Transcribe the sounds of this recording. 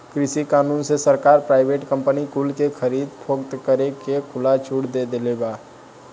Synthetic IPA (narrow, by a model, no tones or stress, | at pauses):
kɾɪsikaːnuːnsesəɾkaːɾpɾaːɪbeːʈkə̃mpənikuːlkexʰəɾiːd̪pʰoːɡt̪kəɾekekʰʊlat͡ʃʰuːɽd̪ed̪elebaː